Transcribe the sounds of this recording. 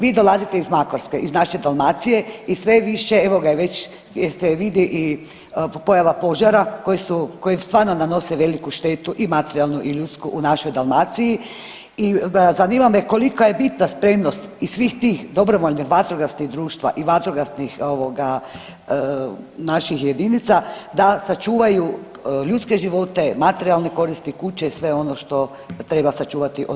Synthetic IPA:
ʋiːd̪o̞lˠazit̪e̞izmakoɾskeʔiznaʃed̪alˠmaːt̪sije̞isʋe̞ʋiʃeeʋoɡajeʋet͡ɕ | jeseʋid̪iʔi | po̞jaʋapo̞ʒaɾako̞jisukojest̪ʋaːɾnonano̞seʋe̞likuʃt̪et̪uʔimat̪eɾialˠnuʔiʎut̪skuʔunaʃo̞jd̪alˠmat̪siji | izaniːmameko̞likajebit̪naspɾe̞mnost̪isːʋixt̪iːxd̪o̞bɾoʋoʎnixʋat̪ɾoɡasniɣd̪ɾuːʃt̪ʋa̰ʔiʋat̪ɾoɡasnixo̞ʋoɡa | naʃixje̞d̪init̪sad̪asat͡ʃuːʋaju | ʎut̪ske̞ʒiʋo̞t̪e̞mat̪eɾialˠneko̞ɾist̪ikut͡ɕesʋe̞o̞no̞ʃt̪o̞ | t̪ɾe̞basat͡ʃuːʋat̪iʔo

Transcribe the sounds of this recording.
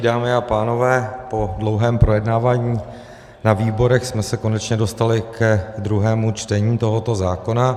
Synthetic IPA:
daːmɪapaːno̞vɛːpo̞dlo̞wɦɛːmpɾo̞jɛdnaːvaːɲiː | naviːbo̞ɾɛxsmɛsɛko̞nɛt͡ʃɲɛdo̞st̪alɪkɛd̪ɾuɦɛːmut͡ʃt̪ɛɲiːt̪o̞ɦo̞t̪o̞zaːko̞na

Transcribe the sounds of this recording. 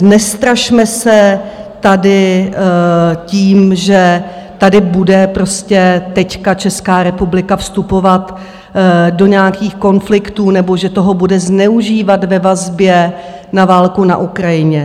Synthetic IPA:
nɛst̪ɾaʃmɛsɛt̪adɪ | ciːmʒɛ | t̪adɪbudɛpɾo̞scɛt̪ɛckat͡ʃɛskaːɾɛpublɪkafst̪upo̞vat̪ | do̞ɲɛakiːxko̞nflɪkt̪uːnɛbo̞ʒɛt̪o̞ɦo̞budɛznɛuʒiːvat̪vɛvazbjɛ | navaːlkuna̰ʔukɾajɪɲɛ

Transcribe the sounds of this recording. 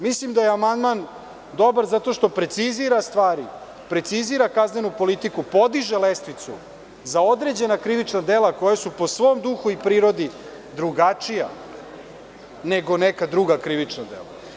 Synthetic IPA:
mislimd̪ajeamand̪man | d̪o̞baɾzat̪o̞ʃt̪o̞pɾet̪siziɾast̪ʋaːɾi | pɾe̞t̪siziɾakazne̞nupo̞lit̪ikupo̞d̪iʒelest̪ʋit̪su | zao̞d̪ɾe̞d͡ʑe̞nakɾiʋit͡ʂnad̪e̞lˠako̞jasupo̞sʋo̞ːmd̪uxuipɾiːɾo̞d̪i | d̪ɾuɡat͡ʂija | neɡo̞nekad̪ɾuɡakɾiʋit͡ʂnad̪ḛla̰

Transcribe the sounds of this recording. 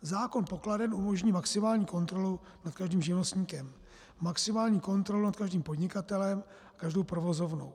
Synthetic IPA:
zaːko̞npo̞kladɛnʔumo̞ʒɲiːmaksɪmaːlɲiːko̞nt̪ɾo̞lu | nat̪kaʒdiːmʒɪvnost̪ɲiːkɛmː | aksɪmaːlɲiːko̞nt̪ɾolunat̪̚kaʒdiːmpo̞dɲɪkat̪ɛlɛm | akaʒdowpɾovo̞zo̞vno̞̰w

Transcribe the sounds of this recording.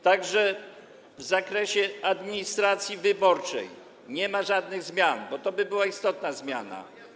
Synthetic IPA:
t̪aɡʐɛ | vzakɾɛɕɛad̪mʲiɲist̪ɾat̪sʲjivɘbɔɾt͡ʂɛ̰j | ɲɛmaʐad̪nɘɣzmʲjanbɔt̪ɔbɘbɘwaist̪ɔt̪nazmʲja̰na̰

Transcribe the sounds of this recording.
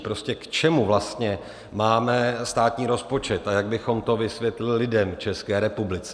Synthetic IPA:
pɾo̞scɛkt͡ʃɛmuvlast̪ɲɛ | maːmɛst̪aːt̪ɲiːɾo̞spo̞t͡ʃɛt̪ajaɡ̚bɪxo̞mt̪o̞vɪsvjɛt̪lɪllɪdɛmt͡ʃɛskɛːɾɛpublɪt͡sɛ

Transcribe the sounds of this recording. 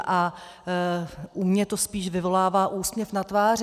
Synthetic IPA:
ʔa | ʔumɲɛt̪o̞spiːʃvɪvo̞laːvaːʔuːsmɲɛfnat̪vaːr

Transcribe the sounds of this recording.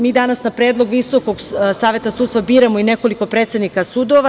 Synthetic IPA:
miːd̪anasnapɾe̞ːd̪lˠo̞ɡʋiso̞ko̞ɡsaːʋje̞t̪asud̪t̪st̪ʋabiːɾamoine̞ko̞liko̞pɾe̞ːt̪se̞d̪nikasud̪oʋa

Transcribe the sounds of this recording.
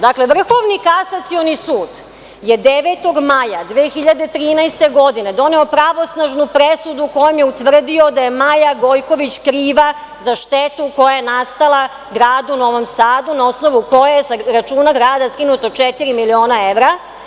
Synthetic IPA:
d̪akle̞ʋr̩xo̞ʋnikasat̪sionisuːd̪ | jed̪eʋet̪o̞ɡmajad̪ʋeːxiʎad̪e̞t̪ɾiːnajst̪e̞ɡo̞d̪ine̞d̪o̞ne̞o̞pɾaʋo̞snaʒnupɾesud̪uko̞jomjeut̪ʋr̩d̪io̞d̪aje̞majaɡo̞jko̞ʋit͡ɕkɾiːʋa | zaʃt̪et̪uko̞jajenast̪alˠa | ɡɾaːd̪uno̞ʋo̞msaːd̪unao̞sno̞ʋuko̞jajesaɾat͡ʃuːnaɡɾaːd̪askinut̪ot͡ʃet̪iɾimilio̞ːnaeʋɾa

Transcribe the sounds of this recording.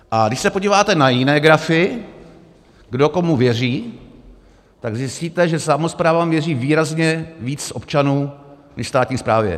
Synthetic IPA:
ʔaɡdɪʃsɛpoɟiːvaːt̪ɛnajɪnɛːɡɾafɪ | ɡdo̞ko̞muvjɛr̝iː | t̪aɡzɪsciːt̪ɛʒɛsamospɾaːvamvjɛriːviːɾazɲɛviːt͡sʔo̞p̚t͡ʃanuː | nɛ̰ʃfst̪aːt̪ɲiːspɾaːvjɛ̰

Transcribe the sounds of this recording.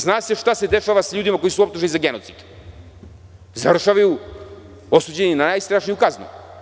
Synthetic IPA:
znaːse̞ʃt̪ase̞d̪e̞ʃaːʋasaʎuːd̪imako̞jisuo̞p̚t̪uʒenizaɡenot̪sid̪̥ | zavɾr̩ʃaʋaju | o̞suːd͡ʑeninanaːjst̪ɾaːʃnijukaznṵ

